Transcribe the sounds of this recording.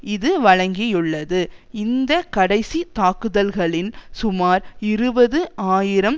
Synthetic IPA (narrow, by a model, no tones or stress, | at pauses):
ɪðɯʋɐɻɐŋɡɪjɯɭːɐðɯɪnd̪ɐkɐɽɐɪsit̪aːkɯðɐlɣɐɭɪnsʊmaːɾɪɾɯbɐðɯʔaːjɪɾɐm